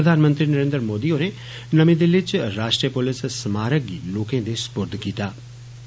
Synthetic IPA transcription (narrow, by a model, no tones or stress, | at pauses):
əd̪ʱaːnmə̃nt̪ɾiːnəɾẽːnd̪ɾmoːd̪iːoːneː | nəmẽːd̪eːlɪt͡ʃɾaːʃʈɾiəpʊlɪssəmaːɾək̚ɡiːloːkẽːd̪eːspʊɾd̪ʱkiːt̪aː